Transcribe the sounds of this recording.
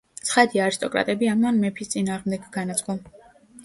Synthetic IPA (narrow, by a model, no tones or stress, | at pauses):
t̪sʰχad̪iaːɾist̪ʼɔkʼɾa̰t̪ʼɛbiamanmɛpʰist̪sʼinaːʁmd̪ɛɡɡanat̪sʼqʼɔm